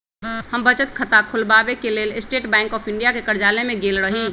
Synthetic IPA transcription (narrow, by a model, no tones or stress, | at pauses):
həmbət͡ʃət̪kʰət̪akʰulbabekeleːlesʈeːʈbɛ̃ːŋkɔːpʰɪɳɖijakekəɾd͡ʒaːlemẽɡelɾəɦi